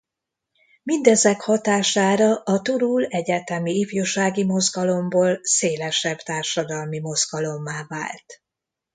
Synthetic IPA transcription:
mind̪ɛzɛkhɒt̪aːʃaːɾɒʔɒt̪uɾuːlɛɟɛt̪ɛmiifjoʃaːɡimo̞zɡɒlo̞mboːlseːlɛʃɛbt̪aːrʃɒd̪ɒlmimo̞zɡɒlo̞mːaːva̰ːlt̪

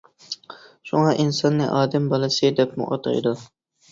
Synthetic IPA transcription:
ʃuŋɑʔinsɑnːɨʔɑːd̪ɛmbɑlˠɨsɨd̪ɛpmṵʔɑ̰t̪ʰɑ̰d̪u

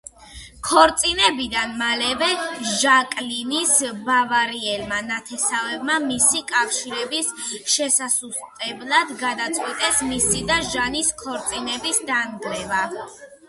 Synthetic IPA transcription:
kʰɔɾt̪sʼinɛbid̪anmalɛvɛʒakʼlinisbavaɾiɛlmanat̪ʰɛsavɛvmamisikʼafʃiɾɛbisʃɛsasust̪ʼɛblˠad̪ɡad̪at̪sʼqʼwit̪ʼɛsmisid̪aʒaniskʰɔɾt̪sʼinɛbisd̪anɡɾɛva

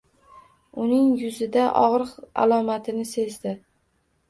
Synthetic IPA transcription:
ʊnɪŋjʊzɪd̪aʔɒʁɾɨqa̰lˠɒmat̪ʰɪnɪse̞zd̪ɪ

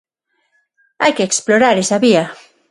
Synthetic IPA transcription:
a̰jkeːksploɾaɾesaβia

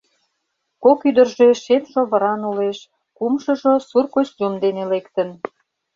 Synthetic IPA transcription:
kokyd̪ə̆rʒeʃemʃoβə̆ɾɑnuleʃ | kumʃə̆ʒosurkot͡ɕʑumd̪enelekt̪ə̆n

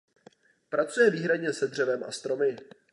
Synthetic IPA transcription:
pɾat͡sujɛviːɦɾadɲɛsɛd̪r̝ɛvɛmʔa̰st̪ɾo̞mɪ

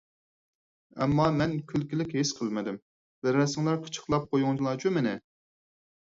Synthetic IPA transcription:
ɛ̰mːɑmɛnkʲʰylkʲilɪkʲɦesqʰəlˠmɪd̪ɪm | væɾɛsɪŋlˠɑɾqʰə̥t͡ʃʰə̥χlˠɑp̚qʰojuŋd͡ʒʰilˠɑt͡ʃʰumɪnɪ

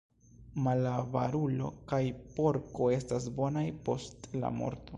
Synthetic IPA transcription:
malavaɾulo̞̰kajpo̞ɾko̞e̞stas̬bo̞najpo̞stla̰mo̞̰ɾto

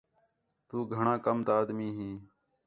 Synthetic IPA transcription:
t̪uːɡʱəɳãːkəmt̪aaːd̪miːɦĩː

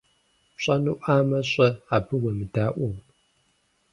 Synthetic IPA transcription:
ɕʼɐnɨʔʷaːmɐɕʼɐaːbɨwɐmɨdaːʔʷuw

